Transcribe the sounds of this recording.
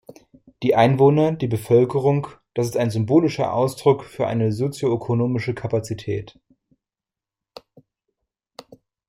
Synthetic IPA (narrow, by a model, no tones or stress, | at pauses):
d̥iːʔaɪnvoːnɐdiːbəfœlkəʁʊŋd̥asɪstaɪnzʏmboːlɪʃɐ̰ʔa̰ʊsd̥ʁʊkfyːɐʔa̰ɪnəzot͡sjoøkʰonoːmɪʃəkʰapat͡sitʰɛ̰ːt